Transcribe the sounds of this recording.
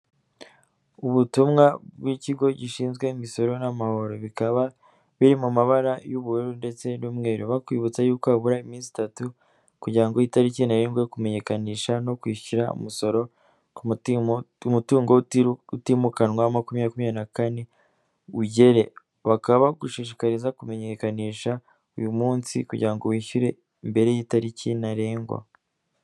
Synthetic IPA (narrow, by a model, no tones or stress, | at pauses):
uβutumŋabɡwiːciɡo̞ɟiʃiːnzɡwe̞imiso̞ɾo̞namaho̞ɾo̞βikaβa | βiɾimumaβaɾajuβuɾuɾunde̞t͡se̞nuːmŋe̞ːɾuβakwiːβut͡sajuːkoaβuɾaimiːnsi̥tatu | kuɟiɾaŋɡo̞itaɾicinaiŋɡwe̞kume̞ɲe̞kaniːʃano̞kwiːcuɾaṵmuso̞ɾo̞ | umutuːŋɡoutimukanwamakumijakumijanakane̞ | uɟe̞ɾe̞ | βakaβaɡuʃiːʃ̬i̥kaɾizakume̞ɲe̞kaniːʃa | ujumuːnsḭkuɟiɾaŋɡo̞wiːçuɾe̞ | imbe̞ɾe̞jiːtaɾicinaɾe̞ːŋɡwa̰